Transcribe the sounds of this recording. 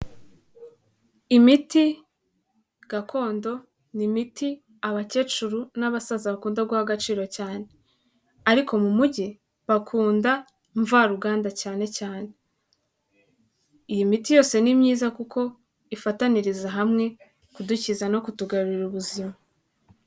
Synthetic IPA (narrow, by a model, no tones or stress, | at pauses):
imiti | ɡ̥akʰo̞ːndo̞ | nimiti | aβace̞ːt͡ʃuɾunaβasazaβakuːndaɡuhaɡat͡ʃiːɾo̞caːne̞ | aɾiko̞mumuɟi | βakʰuːnda | ɱvaɾuɡaːndacaːne̞caːne̞ | ijimitijoːse̞nimɲiːzakukʰo̞ | ifataniɾizaɦamŋe̞ | kuducizano̞kutuɡaβiɾuβuzima